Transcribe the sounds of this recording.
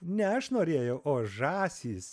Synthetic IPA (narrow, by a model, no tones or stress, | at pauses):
nʲɛɐʃnoːɾʲeːjɛʊʔoːʒɑːsʲiːs